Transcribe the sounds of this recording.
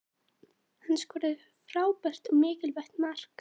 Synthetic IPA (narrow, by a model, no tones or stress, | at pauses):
hanːskvɔːɾɪð | fɾaːwpɛr̥t̪ɔɣmɪːcɪlvɛht̪mar̥k